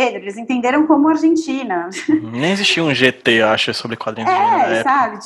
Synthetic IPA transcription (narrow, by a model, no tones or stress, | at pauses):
ed̪ɾʊelɪzẽñt̪ẽnd̪eɾɐ̃w̃kõmʊaɾʒẽnt͡ʃĩnɐnẽj̃ezisʃt͡ʃiɐũʒet̪eaʃʊɪsobɾɪkwad̪ɾĩɛɛsabɪ